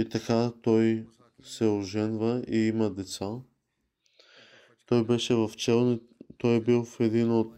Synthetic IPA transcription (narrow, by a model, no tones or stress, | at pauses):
it̪ɐkat̪ɔj | sɛoʒɛnvəiimɐd̪ɛt̪sa | t̪ɔjbɛʃɛvɐft͡ʃɛlˠni | t̪ɔjbilˠfɛd̪inot̪̚